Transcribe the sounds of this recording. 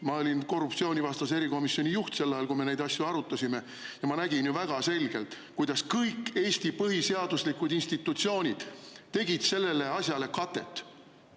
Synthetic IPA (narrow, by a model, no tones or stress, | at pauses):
mɑo̞lʲinko̞rːupt̪sio̞ːnʲivɑst̪ɑse̞ɾiko̞misːio̞nʲijuht̪se̞lːɑjɑlkujme̞ne̞jd̪̥ɑsʲjuɑɾut̪ːˑɑsʲime̞ | jɑmɑnæɡ̥injuvæɡ̥ɑse̞lɡ̥e̞lt̪ˑ | kujd̪̥ɑskɤjkːe̞ːst̪ipɤɦise̞ɑd̪̥uslikːud̪inst̪it̪ːut̪sio̞ːnʲid̪̥t̪ːe̞ɡ̥id̪̥se̞lːe̞le̞ɑsʲjɑle̞kɑt̪ːˑe̞̰t̪ːˑ